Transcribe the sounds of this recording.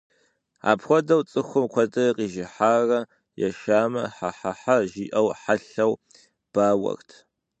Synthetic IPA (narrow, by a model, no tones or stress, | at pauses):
a̰ːpxʷɔdɐwt͡sʼɨxʷʊmkʷʰɐdɐqʼiːʒɪħaːrɐ | jɛ̰ʃaːmɐ̰ħaħaħaʒiːʔɐwħaɬɐw | b̥aːwɐ̰rtʰ